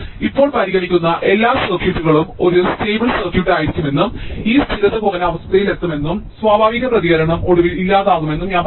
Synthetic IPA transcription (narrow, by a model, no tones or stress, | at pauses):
ipːo̞ːɭpɐɾiɣɐɭikʲːunːɐʔe̞lːaːsɐrkjuʈːuɣɐɭumo̞ɾusteːbɐlsɐrkjuʈːaːjiɾikʲːume̞nːumiːst̪ʰiɾɐt̪ːɨpoɣɐnɐɐʋɐst̪ʰɐjile̞t̪ːɐme̞nːumswaːbʱaːʋiɣɐprɐðiɣɐɾɐɳɐmo̞ɽuʋililːaːðaːɣume̞nːumɲaː